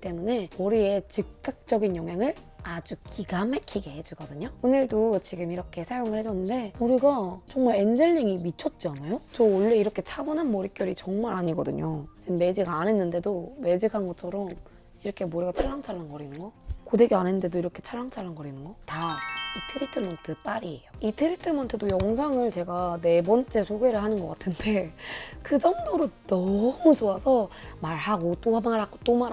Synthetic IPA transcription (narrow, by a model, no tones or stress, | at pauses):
kit͈e̞mune̞mʌɾie̞t͡ɕɯk̚k͈ːak̚t͡ɕ͈ʌɡinjʌŋɦjaŋɯɭ | ad͡ʑuk͈ʰiɡamekʰiɡe̞ɦed͡ʑuɡʌdɯɲoonɯɭdot͡ɕiɡɯmiɾʌkʰe̞sʰajoŋɯɭhe̞d͡ʑʌnːɯnde̞moɾiɡat͡ɕʌŋmaɭe̞nd͡ʑɯɭɲeŋimit͡ɕʰʌt̚t͡ɕ͈ianajot͡ɕʌoɭːe̞iɾʌkʰe̞t͡ɕʰabonanmʌɾik͈jʌɾit͡ɕʌŋmaɾaɲiɡʌdɯ̰ɲod͡ʑimːe̞d͡ʑiɡaane̞nːɯnde̞dome̞d͡ʑikʰanɡʌt͡ɕʰʌɾʌm | iɾʌkʰe̞moɾiɡat͡ɕʰaɭːaŋt͡ɕʰaɭːanɡʌɾinɯnɡʌkodeɡianenɯnde̞doiɾʌkʰe̞t͡ɕʰaɭːaŋt͡ɕʰaɭːanɡʌɾinɯnɡʌtaitʰeɾitʰɯmʌntʰɯp͈aɾiejoitʰeɾitʰɯmʌntʰɯdojʌŋs̬ʰaŋɯɭt͡ɕe̞ɡane̞bʌnt͡ɕ͈e̞sʰoɡe̞ɾɯɭɦanɯnɡʌk͈atʰɯnde̞kɯd͡ʑʌŋdoɾonʌmut͡ɕoasʰʌmaɭɦaɡot͈oamaɭhaɡ̥ot͈oma